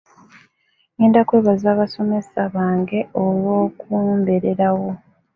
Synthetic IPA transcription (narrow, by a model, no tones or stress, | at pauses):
iːndakweːβazaːβaso̞me̞saβaːŋɡe̞olwo̞ːkuːmbeɾeɾawo̞